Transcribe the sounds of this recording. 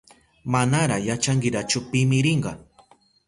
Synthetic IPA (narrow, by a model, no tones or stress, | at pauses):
manaɾajat͡ʃaŋɡɪɾat͡ʃʊpɪmɪɾɪɴɢɑ̰